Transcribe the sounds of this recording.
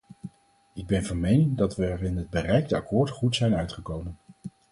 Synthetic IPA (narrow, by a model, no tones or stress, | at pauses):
ɪɡ̚bɛnvɑnmejnɪŋdɑtʋəːɹɪnəd̚bərɛjɡdəɑkʊːɹtχutsɛjnœɥtχəkowmən